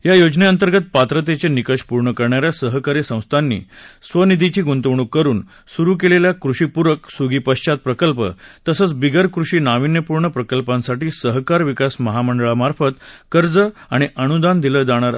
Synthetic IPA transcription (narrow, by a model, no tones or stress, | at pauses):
jajod͡ʑneənt̪əɾɡət̪̚pat̪ɾət̪̬et͡senikəʂpuɾɳəkəɾɳjaɾjasəɦkaɾisə̃w̃st̪ʰanːḭːsʋənid̪ʱit͡ɕiːɡunt̪əʋɳ̃ukːəɾuːn | suɾuːkeleljakɾuɕiːpuɾəksuɡiːpəɕt͡ɕat̪̚pɾəkəlpə̰t̪əsət͡sbiɡəɾkɾuʂiːnaʋinːjəpuɾɳəpɾəkəlpãnsaʈiːsəɦkaɾʋikasməɦaməɳɖəɭamaɾfət̪kəɾd͡zəaɽ̃iʔəɽ̃ud̪and̪iləd͡zaɽ̃aɾ